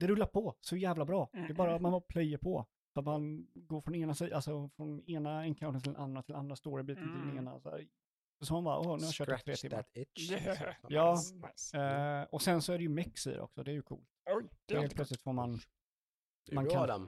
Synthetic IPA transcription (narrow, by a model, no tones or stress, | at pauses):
d̪̥ɛɾɵlːaɾpʰɔsɔjæːvlabɾɑːd̪ɛːbɑːɾat̪manvɑːpʰlɛjəpʰɔ | sɔat̪manɡoːɾfɾɔneːnasiːd̪alsɔfɾɔneːnaɛnkʰaʊnənʰɪlɛnand̪ɾat̪ʰɪland̪ɾast̪oːɾɛbiːt̪ənt̪ʰɪld̪ɛneːnaa̰sɔ̰ | sɔsɑːmanbɑːɾ̰ʔonɛɾjaɕœːʈt̪ʰɾḛːt̪ʰɪma | jɑː | ɔsɛnsɔæɾɛjɵmɪksḭdɾ̰ʔɔ̰ksɔ̰d̪ɛæɾjɵkʰṵːlt̪dɛeːlplœt̪slɪt̪foːɾman | mankʰa